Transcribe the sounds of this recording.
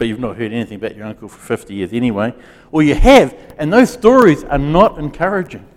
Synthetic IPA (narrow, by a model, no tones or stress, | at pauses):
b̥ʌt͡ʃʉvnət̚hɜ˞ɾɛniθɪ̃ŋəbaʊt͡ʃə˞ʌ̃ŋkl̩ˠfə˞fɪftijɪɹzɛniweɪ | wəjɨɨvɨ̃nðoʊz̥stɔɹizə̰˞nəɾɨ̃nkʰɜɹɨd͡ʒɪ̃ŋ